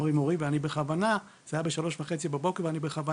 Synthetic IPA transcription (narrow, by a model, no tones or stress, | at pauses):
ʁimoʁiveanibeχavana | z̥ajabeʃalo̞ʃvaχe̞t͡sibabo̞keveanibeχava